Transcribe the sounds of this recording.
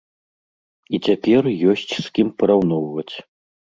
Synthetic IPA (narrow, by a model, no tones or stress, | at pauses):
it͡sʲapʲɛrjɔsʲt͡sʲskʲimpɐɾawnɔwvɐt͡sʲ